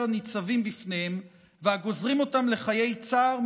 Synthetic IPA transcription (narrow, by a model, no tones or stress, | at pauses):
anit͡savimbifnehem | veaɡo̞zʁimo̞tamle̞χaje̞jt͡saːʁm